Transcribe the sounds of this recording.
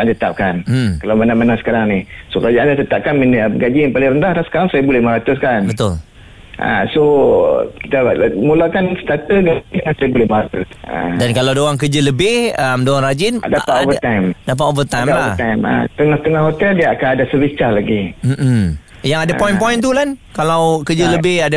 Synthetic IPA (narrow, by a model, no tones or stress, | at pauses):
aʔant̪ət̪ap̚kan̩kalawmənamənasə̥kaɾaŋnihsokəɾad͡ʒaʔandat̪ət̪ap̚kanminəbəɡad͡ʒianpalɪŋɾəndahlahsə̥kaɾaŋsajabulɛhməɾat̪ʊs̬kanbət̪ʊl | ʔa̰so | ki̥t̪amulakansə̥t̪at̪əɡaiəŋansajabulɛhməɾat̪ʊsa̰dankalawadoaŋk̬əd͡ʒələbɪhəmdoaŋrad͡ʒɪndapat̪ovət̪ajmdap̬at̪ovət̪ajmlaəht̪ajma̰t̪əŋaht̪əŋahɦot̪ɛldiaakanadasəbist͡ʃalaɡim̩ʔm̩ | jaŋadapɔjĩnpɔjnt̪ulankalawkəd͡ʒələbɪhada